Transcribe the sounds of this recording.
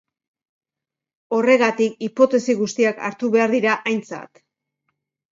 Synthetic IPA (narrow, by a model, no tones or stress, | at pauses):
o̞re̞ɣat̪ik̚ipo̞t̪e̞siɣust̪iaka̰ɾt̪uβe̞aɾðiɾaʔajnt͡sa̰t̪